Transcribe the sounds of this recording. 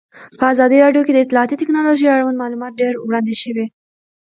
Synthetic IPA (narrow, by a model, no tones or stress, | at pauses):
pəazɑd̪iɾɑɖjoked̪əɪt̪lɑːt̪it̪ɪknɑloʒijaɽawand̪mɑlumɑt̪̚ɖeɾwɽɑnd̪eʃəwe